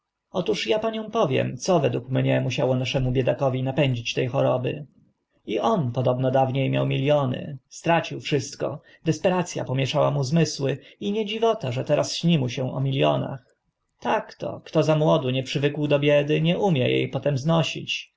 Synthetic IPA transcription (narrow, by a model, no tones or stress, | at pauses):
ɔt̪uʂjapaɲɔ̃w̃pɔvʲjɛ̰mt̪sɔvɛd̪wukmɲɛmuɕawɔnaʂɛmubʲjɛd̪akɔvʲinapɛɲd͡ʑit͡ɕt̪ɛjxɔɾɔbɘ̰ | iʔɔnpɔd̪ɔbnɔd̪avɲejmʲja̰wmʲilʲjɔnɘ̰st̪ɾat͡ɕiwfʂɘst̪kɔ̰ | d̪ɛspɛɾat̪sʲja̰pɔmʲjɛʂawamuzmɘswɘiɲɛd͡ʑivɔt̪aʐɛt̪ɛɾasɕɲimuɕɛ̃ɔ̰mʲilʲjɔ̰na̰x | t̪akt̪ɔ̰kt̪ɔzamwɔd̪uɲɛpʂɘvɘkwd̪ɔbʲjɛd̪ɘɲɛʔumʲjɛjḛjpɔt̪ɛmznɔɕḭt͡ɕ